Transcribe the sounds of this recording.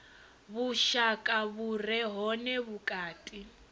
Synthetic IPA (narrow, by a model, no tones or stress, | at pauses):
βuʃakʼaβurɛɦɔnɛβukʼaːtʼi